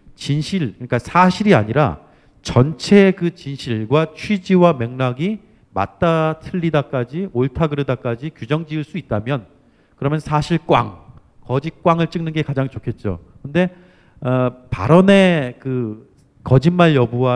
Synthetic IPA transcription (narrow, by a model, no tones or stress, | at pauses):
t͡ɕinɕʰiɭkɯɾik͈asʰaɕʰiɾia̰ɲiɾa̰ | t͡ɕʌnt͡ɕʰe̞kɯt͡ɕinɕʰiɭɡwat͡ɕʰwid͡ʑiwameŋnaɡi | ma̰t̚t͈atʰɯɭːidak͈ad͡ʑioɭtʰaɡɯɾɯdak͈ad͡ʑikjud͡ʑʌŋd͡ʑiɯɭs͈uit̚t͈amjʌn | kɯɾʌmjʌnsʰaɕʰiɭk͈wa̰ŋ | kʌd͡ʑik͈waŋɯɭt͡ɕ͈ɯŋnɯnɡe̞kad͡ʑaŋt͡ɕokʰe̞t̚t͡ɕ͈o̰kɯnde̞ | ʌpa̰ɾʌne̞kɯ | kʌd͡ʑinmaɭjʌbua